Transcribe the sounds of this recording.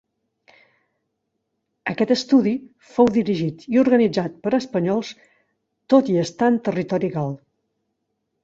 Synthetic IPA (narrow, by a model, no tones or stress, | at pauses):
əkɛt̪əst̪uði | fowðiɾiʒit̪iuɾɣənid͡zat̪̚pəɾəspəɲɔlˠs | t̪ot̪iəst̪aənt̪ərit̪ɔɾiɣalˠ